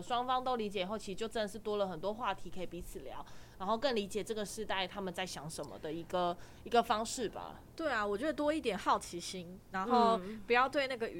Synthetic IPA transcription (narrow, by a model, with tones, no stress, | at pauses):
ʂwɑ˥ŋfɑ˥ŋt̪o˥ʊli˧˥t͡ɕjɛ˨˩xo˥˩ʊi˧˥˨t͡ɕjo˥˧ʊʈ͡ʂə˦˥nd̪ə˨˩ʂɻ̩˥˩t̪wɔ˥lə˨˩xə˨˩nt̪̬wɔ˥xwa˥˨t̪ʰi˧˥kʰə˧˥i˨˩pi˧˥t͡sʰɹ̩˨˩ljɑ̰˧˦ʊna˧˥nxo˥˧ʊkə˥˩nli˧˥t͡ɕjɛ˨˩ʈ͡ʂɤ˥˩ɡə˩ʂɻ̩˥˧t̪a˥˧ɪt̪ʰa˥mə˨nt͡sa˥˩ɪɕjɑ˨˥ŋʂə˨˦nmə̰˧d̪ə˨i˧˥ɡə˨ | i˧˥ɡə˨fɑ˥ŋʂɻ̩˥˩ba̰˩ | t̪we˥˩ɪa˩wɔ˨˩t͡ɕɥɛ˧˥d̪ə˨˩t̪wɔ˥i˥˩t̪jɛ˨˩nxɑ˥˩ʊt͡ɕʰi˧˥ɕi˥nna˧˥nxo˥˩ʊpu˨˩jɑ˥˧ʊt̪we˥˧ɪna˥˩ɡə˨